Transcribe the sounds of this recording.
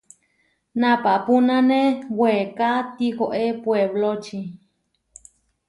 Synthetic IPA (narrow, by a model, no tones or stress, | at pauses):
napaʔpunãnewekat̪ihoʔepweβlot͡ʃi